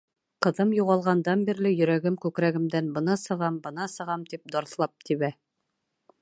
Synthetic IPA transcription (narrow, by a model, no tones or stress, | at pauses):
qɤ̆ðɤmjuʁɑlˠʁɑnd̪ɑnbiɾlɘjɵ̆ɾæɡɘmkʉkɾæɡɘ̆md̪ænbɤ̆nɑsɤ̆ʁɑmbɤ̆nɑsɤ̆ʁɑmt̪ip̚d̪ɒɾθlˠɑp̚t̪ʰiβæ